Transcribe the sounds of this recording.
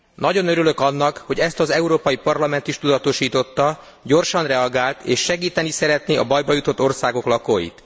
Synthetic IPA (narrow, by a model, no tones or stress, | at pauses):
nɒɟo̞nøɾylø̞kɒnːɒkho̞ɟɛst̪ɒzɛuɾoːpɒjipɒrlɒmɛn̪t̪iʃt̪ud̪ɒt̪o̞ʃiːt̪o̞t̪ːɒ | ɟo̞rʃɒnrɛɒɡaːlt̪eːʃːɛɡiːt̪ɛnisɛɾɛt̪niʔɒbɒjbɒjut̪o̞t̪ːo̞rsaːɡo̞klɒkoːjḭt̪